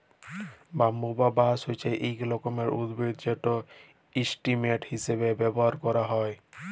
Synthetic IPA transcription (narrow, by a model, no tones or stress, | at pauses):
bamːubabasojt͡ʃʰajʔejklɔkɔmeɹud̪bedd͡ʒɛtɔ | isʈimeʈhisebebɛbɔɦaɾkɔɾaɦɔj